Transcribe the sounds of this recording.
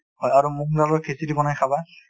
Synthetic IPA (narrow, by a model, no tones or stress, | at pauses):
hɔjaɹumukdalɔkʰesidibɔnajkʰaba